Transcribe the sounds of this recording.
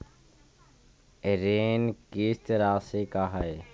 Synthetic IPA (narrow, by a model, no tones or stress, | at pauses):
ɾeːnkeːst̪ɾaːseːkaːɦae